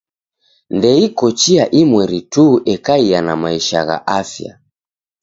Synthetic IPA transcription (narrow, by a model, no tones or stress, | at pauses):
ndɛikɔt͡ʃiaʔimwɛɾituʔɛkaianamaiʃa̰ɣa̰ʔafja̰